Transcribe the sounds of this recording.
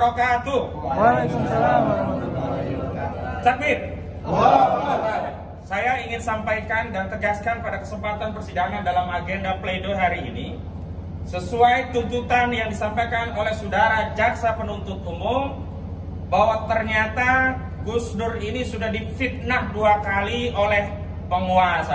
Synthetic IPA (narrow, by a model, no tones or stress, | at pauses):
ɾokaːt̪uak | t͡ʃak̚fɪt̪̚ | sajaiŋɪnsampajkandant̪əɡaskanpadakəsəmpat̪anpərsidaŋandalamaɡendapledoɦaɾiːni | səsuajt̪unt̪ut̪anjaŋdisampajkanolɛhsudaɾad͡ʒaksapənunt̪ʊt̪umʊm | bawat̪ərɲat̪a | ɡusnʊrinisudahdifit̪̚nahduakaliʔolɛh | pəŋuasa